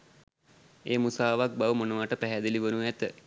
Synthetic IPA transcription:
eːmusaːʋak̚baʋəmonəʋaʈəpæɦæd̪iliʋənuæt̪ə

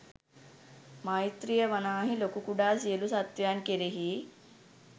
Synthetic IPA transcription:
maːit̪ɾijɐʋɐnaːɦilokukuɖaːs̬ielusɐt̪jaːnkeɾeɦi

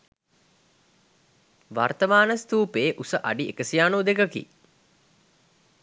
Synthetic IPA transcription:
ʋart̪əmaːnəst̪uːpeːʔusəʔaɖiekəsijaːnud̪ekəkḭ

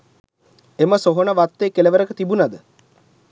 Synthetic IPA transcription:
eməsoɦonəʋat̪ːekeleʋəɾəkət̪ibunad̪ə

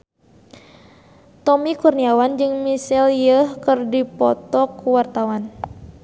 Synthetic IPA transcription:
t̪ɔmikurniawand͡ʒɨŋmisiljəhkɨrdipɔ̰t̪ɔkuwart̪awan

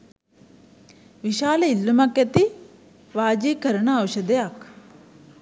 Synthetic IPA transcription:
ʋiʃaːlɐilːumɐkɐt̪i | ʋaːd͡ʒiːkɐɾɐɳɐːwʃɐd̪ɐjak

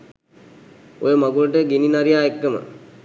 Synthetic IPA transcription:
ojəmaɡuləʈəɡininaɾijaːekːəmə̰

